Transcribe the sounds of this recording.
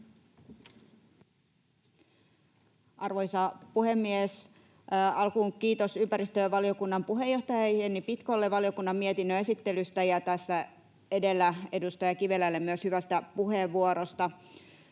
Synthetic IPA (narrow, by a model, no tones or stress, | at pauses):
ʔɑrʋojsɑpuhe̞mːies | ɑlkuːkiːt̪o̞sympæɾist̪øʋɑlio̞kunːɑmpuɦe̞jo̞ht̪ɑjɑjenːipit̪kolːeʋɑlio̞kunːɑmmiet̪inːøe̞sit̪ːe̞lyst̪æjɑt̪æsːæ | e̞de̞lːæe̞dust̪ɑjɑkiʋe̞lːælːemːyøshyʋæst̪æpuɦe̞ʋːuoɾost̪ɑ